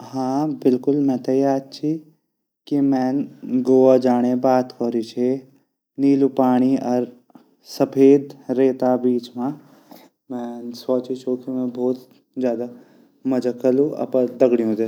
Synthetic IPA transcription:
ɦãːbɪlkʊlmɛ̃ːt̪ɐjaːɾt͡ʃʰi | kimɛ̃ːnɡoːad͡ʒaːɽ̃ebaːt̪koːɾit͡ʃʰe | niːlupaːɽ̃iɐɾ | sɐpʰeːd̪ɾeːt̪abiːt͡ʃmãː | mɛ̃ːsɔːt͡ʃit͡ʃʰukimɛ̃ːboːt̪ | zjaːd̪a | mɐd͡ʒəkəlũʔɐ̰pə̃d̪ɐɡɽijũd̪e

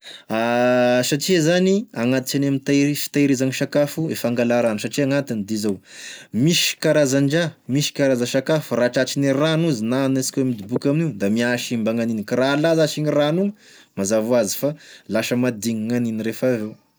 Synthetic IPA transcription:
asaʈ͡ʂizaniaŋat̪i̥t͡ʃanamit̪aiʃi̥t̪aiɾizaŋiʃakafuefaŋɡalaɾanusaʈ͡ʂiaŋat̪inid̪izawmiʃi̥kaɾazaɳɖ͡ʐamiʃi̥kaɾazəʃakafuraʈ͡ʂat͡ʃiniranuzinanasi̥koemid̪ibukʲaminiud̪amiaʃimbaŋaninkaɾalazaʃiŋiranu | mazavuazi̥falaʃəmad̪iŋaŋaniniɾefavew

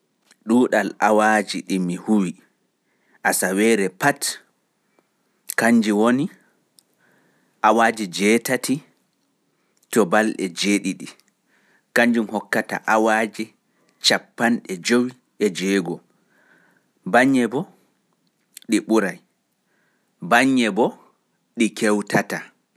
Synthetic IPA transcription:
ɗuːɗalʔawad͡ʒiɗimihuwi | ʔasawɛɾɛpat | kaɲd͡ʒiwoni | ʔawaːd͡ʒid͡ʒɛtati | tɔbalɗɛd͡ʒeːɗiɗi | kaɲd͡ʒumhɔkːata̰ʔawaːd͡ʒi | t͡ʃapːanɗɛd͡ʒowi | ɛd͡ʒɛɡɔ | baɲːɛbɔ | ɗiɓuɾaj | baɲːɛbɔ | ɗikɛwtata

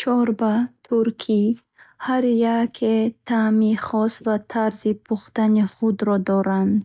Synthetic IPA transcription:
t͡ʃʰɔɾbat̪ʰuɾkʰi | haɾjakʰet̪ʰamiχɔsvat̪ʰaɾzipʰuχt̪aniχud̪ɾɔd̪ɔɾand̪

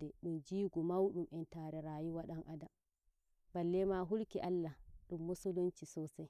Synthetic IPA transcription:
ɛɗund͡ʒiːɡumawɗumʔɛntaːɾɛɾaːjiwaɗanʔada | balːɛmaɦulkiʔalːaɗumːusulont͡ʃisɔːsaj

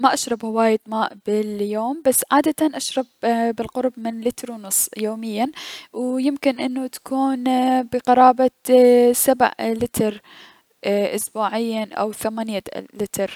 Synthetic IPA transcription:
maʔaʃɾˤɑbhawaːjɪd̪maːʔbɪljoːmbasːʕaːd̪at̪anʔaʃɾˤɑbbɪlqʊɾˤbmɪnlɪt̪ɾwnʊsˤjoːmɪjːawjɪmkɪnʔɪnːut̪ḁkuːnbɪqɑɾˤɑːbasabʕlɪt̪ɾ | ʔʊsbuːʕɪjːaʔa̰wθamaːnjalɪt̪ɾ

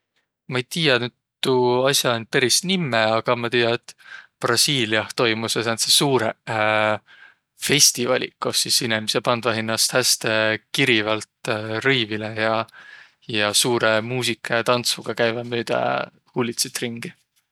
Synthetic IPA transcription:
mɑejt̪iːjɑnyd̪̥̚t̪uɑsʲjɑonpeɾisnimːeɑɡ̥ɑmɑt̪iːjɑet̪ːˑprɑsiːliɑht̪o̞jmusɑsɑnt̪sesuːɾe | fe̞sʲt̪ivɑlʲḭkˑosisinimisepɑnd̪̥vɑɦinːɑst̪hæst̪e̞kiɾivɑlt̪riːvilejɑ | jɑsuːɾe̞muːsikʰːˑɑjɑt̪ɑnt̪svuɡ̥ɑkæjvɑmyːd̪̥ɑ̰ | hulʲit̪set̪riŋɡ̥i

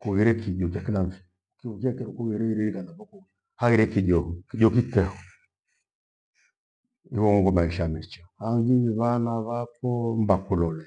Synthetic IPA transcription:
kuɣiɾɛkiʄɔt͡ʃakilaɱfi̥ | kikɛkɛɾɔkuɣiɾɛiɾɛɾikanavɔku | haɣiɾɛkiʄɔkiʄɔkitɛhɔ | iwɔŋɔŋɡɔmaiʃamɛt͡ʃahaŋɡiβanaβakɔmbakulɔlɛ

